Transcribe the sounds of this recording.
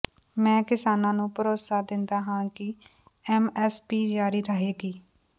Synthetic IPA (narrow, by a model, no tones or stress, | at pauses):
mɛ̃ːkɪsaːnãːnũːpəɾoːsaːd̪ɪnd̪aːɦãːkɪ | ɛːmɛːspiːd͡ʒaːɾiːɾəɦeːɡiː